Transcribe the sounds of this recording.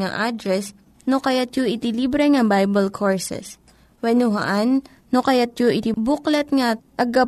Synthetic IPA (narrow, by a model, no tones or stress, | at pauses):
ŋɐ̰ʔad̪ɾɛs | nokɐjat̪joʔɪt̪ɪliːbɾɛŋɐbajbɐlkʰoɹsɛ̰s | wɛnʊɦɐ̰ʔanː | okɐjat̪̚joʔɪt̪ɪbuklɐt̪̚ŋɐ | ɐɡɐ